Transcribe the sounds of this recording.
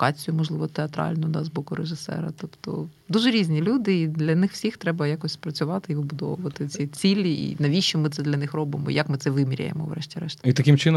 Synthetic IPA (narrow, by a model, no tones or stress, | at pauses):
kɑt͡sʲijʊmɔʒlˠɪʋɔt̪eɐt̪ɾɑ̰lʲnʊd̪ɑzbɔkʊɾeʒɪsɛ̰ɾɐt̪ɔpt̪ɔ̰ | d̪uʒɛɾʲizʲnʲilʲud̪ɪid̪lʲɐnɪxwsʲixt̪ɾɛbɐjakɔsʲpɾɐt͡sʲʊʋɑt̪ɪiʋɪbʊd̪ɔ̰ʋʊʋɐt̪ɪt͡sʲit͡sʲilʲːiḭnɐʋʲiʃt͡ʃɔmɪt̪sɛd̪lʲɐnɪxrɔbɪmɔ̰ḭjɐkmɨt̪ɛʋɪmʲiɾʲɐ̰jḛmɔ̰ʋrɛ̰ʃtʲiɾɛʃt̪ɐ̥it̪ɐkʲɪmt͡ʃɪn